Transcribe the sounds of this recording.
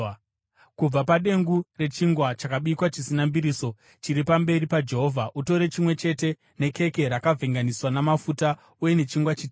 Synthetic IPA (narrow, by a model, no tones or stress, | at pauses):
kub͡vapaɗe̞ŋɡure̞t͡ʃiŋɡwat͡ʃakaɓikwat͡ʃisinambiɾiːso̞ | t͡ʃiɾipambe̞ɾipad͡ʒe̞ɦo̞ːvʱaʔuto̞ɾe̞t͡ʃimwe̞t͡ʃe̞te̞ | ne̞ke̞ke̞ɾakavʱeŋɡaniswanamafuta | uje̞ne̞t͡ʃiŋɡwat͡ʃiti